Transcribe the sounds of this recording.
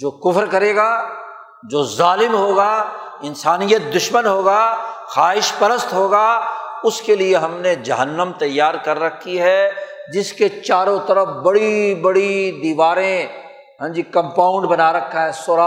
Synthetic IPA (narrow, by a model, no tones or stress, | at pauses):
d͡ʒoːkʊfɾkɐɾeːɡaː | d͡ʒoːzaːlɪmɦoːɡa | ɪnsaːnijət̪̚d̪ʊʃmənɦoːɡaxaːɦɪʃpɐɾəst̪ɦoːɡaʊskelieɦɐmned͡ʒɐɦənːəmt̪ɐjːaːɾkɐɾːɐkʰːiɦɛd͡ʒɪsket͡ʃaːɾõt̪ɐɾəfbɐɽibɐɽid̪iːʋaːɾẽ | ɦɛ̃ːd͡ʒikɐ̃mpaːʊ̃ɳɖbɐnaɾɐkʰːaɦɛsoːɾaː